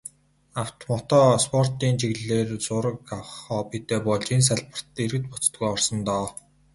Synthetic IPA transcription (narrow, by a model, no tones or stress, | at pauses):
aw̥t̪mɔt̪ɔːspʰɔr̥t̪iːnt͡ɕiɣɮeːrt͡sʊɾə̆kawχɔːpit̪eːpɔɮt͡ɕins̬aɮpə̆r̥t̪eɾɘ̆t̪pɔt͡st̪ɡujɔrsə̆nt̪ɔː